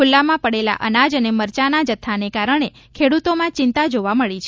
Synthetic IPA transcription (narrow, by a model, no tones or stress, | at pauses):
ulːamãpəɽela̰ʔənad͡ʒəneməɾt͡ʃanad͡ʒət̪ʰːanekaɾəɳ̃e | kʰeɽut̪omãt͡ʃɪnt̪ad͡ʒoʋaməɭit͡ʃʰ